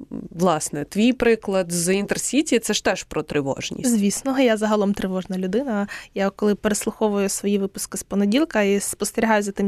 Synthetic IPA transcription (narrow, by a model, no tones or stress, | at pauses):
ʋlˠɑsnɛt̪ʋʲijpɾɪklˠɐd̪zint̪ersʲitʲiit̪sɛʃt̪ɛʃpɾɔt̪ɾɪʋɔ̰ʒnʲḭsʲzʲʋʲisnɔɦɔjazɐɦɐlˠɔmt̪ɾɪʋɔʒnɐlʲʊd̪ɪnɐjakɔlˠɪpeɾeslˠʊxɔʋʊjʊsʋɔjiʋɪpʊskɪspɔnedʲilˠkɐispɔst̪eɾʲiɦajʊzɐt̪ɪm